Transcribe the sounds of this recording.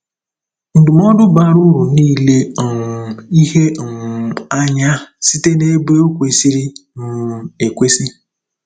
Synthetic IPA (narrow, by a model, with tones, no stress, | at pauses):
n̩˨dʊ˨m˦ɔ˦dʊ˦ba˦ɾʊ˦ɾu˨niː˦le˦˨ŋ˨i˦ɦe˦˨ŋ̩˨a˦ɲa˦si˦te˦ne˦bɾe˦o˦kʷe˨si˦ɾi˦m̩˨e˨kʷe˦si˦